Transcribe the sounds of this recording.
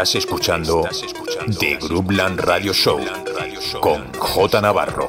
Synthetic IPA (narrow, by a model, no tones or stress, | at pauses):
aseskut͡ʃand̪o | d̪eɣɾublanraðjoʃow | koŋxot̪anaβa̰ro